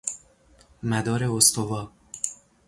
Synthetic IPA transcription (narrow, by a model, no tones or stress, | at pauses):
mæd̪ɒːɾeost̪ʰovɒː